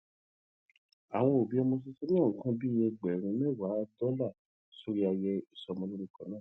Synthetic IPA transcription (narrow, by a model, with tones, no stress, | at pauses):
a˨w̃ɔ̃˧o˨bĩ˦ɔ˧mo˧s̬i˧si˦n˦ã˦˨ŋ̩˨˦kã˦bi˦jɛ˧ɡ͡bɛ˨ɾ̃ĩ˧mɛ˦˨wa˨˦dɔ˦la˦˨ | so˦ɾi˦a˧jɛ˧i˨sɔ˧mɔ̃˧lõ˦ĩ˧˨kɔ̃˨˦nãː˦˨